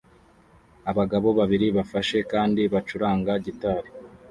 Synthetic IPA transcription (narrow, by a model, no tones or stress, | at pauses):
aβaɡaβo̞βaβiɾiβafaʃe̞kaːndiβat͡ʃuɾaːŋɡaɟitaɾi